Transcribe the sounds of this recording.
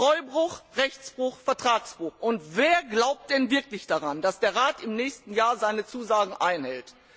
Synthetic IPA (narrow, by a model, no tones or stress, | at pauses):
ʁɔʏbʁʊχʁɛçt͡sb̥ʁʊxfɛɐtʁ̥aːksb̥ʁʊxʔʊntveːɐɡlaʊp̚t̚d̥ɛnvɪɐklɪçd̥aʁandasd̥eːɐʁaːtɪmnɛːçstn̩jaːɐzaɪnət͡suːzaːɡŋ̩ʔaɪnhɛlt